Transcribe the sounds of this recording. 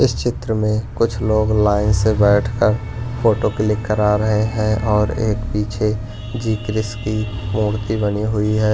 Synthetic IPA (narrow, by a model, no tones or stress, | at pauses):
ɪst͡ʃɪt̪ɾəmẽkʊt͡ʃʰloːɡlaːɪnsebɛːʈʰkəɾ | pʰoːʈokɪlɪkːəɾaːɾəɦeɦɛ̃ʔɔːɾḛːkpiːt͡ʃʰe | d͡ʒiːkɾɪskimuːɾt̪ibəniɦʊiɦɛː